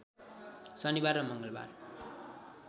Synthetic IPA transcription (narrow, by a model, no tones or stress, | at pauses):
sʌnibarːʌmʌŋɡʌlba̰r